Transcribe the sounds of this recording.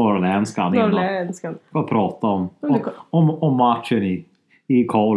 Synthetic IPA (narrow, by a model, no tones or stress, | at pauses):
ɔɾlɛnska̰nnskafɔpʰɾɑːt̪aɔmɔɔmɔmːat̪ʃənɪ | ɪkʰɔːl